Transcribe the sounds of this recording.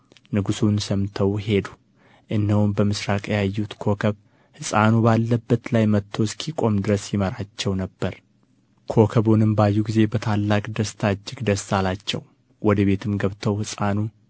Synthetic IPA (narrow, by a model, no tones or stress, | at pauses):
nɨɡusunsəmt̪ʰəwɦe̞d̪u̥ | ʔɨnːəwunbəmɨsɾakʼjajːut̪kʰo̞kʰəβ | hɨsʼanubalːəbːət̪lajmət̪ʰːo̞skʰikʼo̞md̪ɨɾəsjɪməɾat͡ʃːɛwnəbːəɾ | kʰo̞kʰəβonɨmbajːuɡize̞bət̪ʰalːakʼd̪əst̪ʰad͡ʒːɪɡd̪əst̪alat͡ʃːɛ̰w | wʔɔd̪əβe̞t̪ʰɨmɡəβt̪ʰəwhɨsʼanu